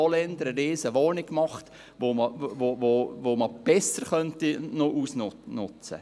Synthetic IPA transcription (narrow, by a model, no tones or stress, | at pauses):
ɔlɛnd̪əɾəɾeːsəʋɔːnɪɡ̥mɑχt | ʋoməvovovoməb̥ɛsəɾχœntinoʔuːsnnʊ̰t͡sə̰